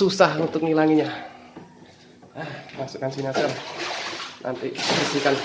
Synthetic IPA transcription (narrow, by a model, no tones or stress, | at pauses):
usahunt̪ʊk̚nilaŋiɲa | əhmaksukansinasal | nʔa̰nt̪iməsikan